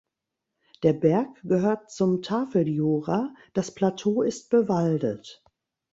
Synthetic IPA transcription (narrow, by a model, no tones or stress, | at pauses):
d̥eːɐbɛɐkɡ̥əɦøːɐt̚t͡sʊmtʰaːfl̩juːʁad̥aspl̥atʰoːɪst̚b̥əvaldət